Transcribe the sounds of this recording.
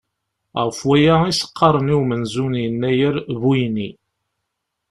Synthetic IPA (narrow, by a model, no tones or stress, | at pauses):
ʁəfwæjæisə̥qʰːɑɾˤəniwmənzunjənːæjəɾbujni